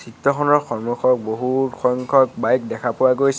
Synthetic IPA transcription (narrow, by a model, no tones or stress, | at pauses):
sitːɔxʰɔnɔɹxɔɹmɔxʰɔk̚boɦutxɔŋkʰɔk̚bajk̚dɛkʰapʊwaɡojs